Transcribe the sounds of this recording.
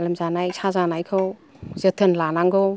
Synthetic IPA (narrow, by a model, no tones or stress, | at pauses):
lɐmzanajsʰazanajkʰɯw | zətʰɯnlanaŋɡɔw